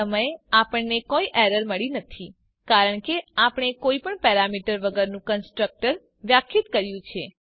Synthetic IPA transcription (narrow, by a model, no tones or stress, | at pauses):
əməjeapəɳnekoiʔɛɾəɾməɭinət̪ʰi | kaɾəɳkeapəɳ̃ekoipəɳpɛɾamiʈəɾʋəɡəɾnũkənsʈɾək̚ʈəɾ | ʋjakʰːit̪kəɾjũt͡ʃʰe